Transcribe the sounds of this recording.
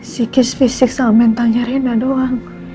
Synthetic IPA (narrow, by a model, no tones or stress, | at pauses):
sikisfisiksamɛnt̪aŋd͡ʒaɾinadoaŋ